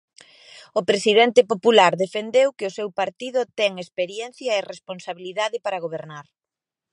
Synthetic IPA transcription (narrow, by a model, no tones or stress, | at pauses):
ʊpɾesiðɛnt̪ɪpopulaɾðefend̪ewkɪʊsewpaɾt̪iðʊt̪ɛŋespeɾjɛn̟θjɐeresponsaβiliðaðɪpaɾɐɣ̞oβ̞eɾnaɾ